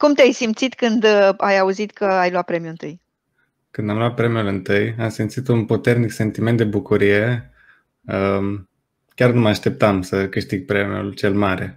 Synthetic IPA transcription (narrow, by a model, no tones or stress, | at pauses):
kumt̪eajsimt̪sit̪kɨnd̪ajauzit̪kʰəajlwat̪̚pɾe̞mjuɨnt̪ɨj | kɨnd̪amlwat̪̚pɾe̞mijulɨnt̪ɨjamsimt̪sit̪unpot̪e̞rnikse̞nt̪ime̞nt̪d̪e̞bukuɾije̞ | ə | kʲarnuməaʃt̪e̞p̚t̪amsəkɨʃt̪iɡ̚pɾe̞mjṵlt͡ʃe̞lmaɾe̞